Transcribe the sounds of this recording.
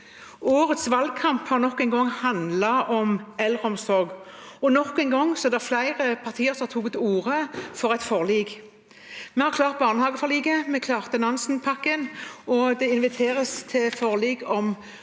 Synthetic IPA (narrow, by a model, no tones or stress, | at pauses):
oːʁət̪sʋɑl̚kʰɑmphɑʁnɔkːɛɪnɡɔŋːhɑnd̪lɑʔɔmɛlʁəɔmsɔɾɡ | ɔnɔkːɛɪnɡɔŋːsɔɛd̪ɛʁflæɪʁəpʰɑʁt̪ʰiːəʁsɔmɑt̪ʰuːɡt̪uːʁəfɔʁɛt̪fɔʁliːɡ | mɛhɑʁklɑːʁt̪̚bɑːʁnəhɑːɡəfɔʁliːɡəmɛkʰlɑːʁt̪ənɑnsnpʰɑkːənɔd̪ɛɪnʋɪt̪ʰeːʁəst̪ʰɪlfɔʁliːɡɔm